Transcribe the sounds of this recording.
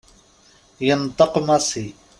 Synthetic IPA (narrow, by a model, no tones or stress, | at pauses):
jɑnt̪ˤɑqmasi